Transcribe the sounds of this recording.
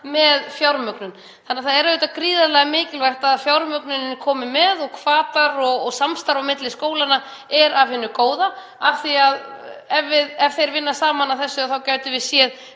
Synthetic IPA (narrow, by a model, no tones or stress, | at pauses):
mɛðfjawɾmœknʏn | θanːaθaðɛɾʏːt̪akɾiːðalɛɣamɪːcɪlvar̥t̪aðfjawɾmœknʏnɪnkʰɔːmɪmɛðɔɣkʰv̥aːt̪aɾɔɣɔɣsamst̪aɾawmɪt̪lɪskoːwlana | ɛɾavhɪnːʏkoːwða | aθiaðɛvːɪðɛvθejɾvɪnːasaːmanaθɛsːʏaθawcaːɥt̪ɪvɪðsjɛð